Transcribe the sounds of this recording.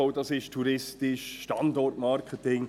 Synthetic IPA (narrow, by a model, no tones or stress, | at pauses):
oʊdɑsɪʃtʰuɾɪstɪʃʃtɑndɔrtmɑɾkʰətɪŋ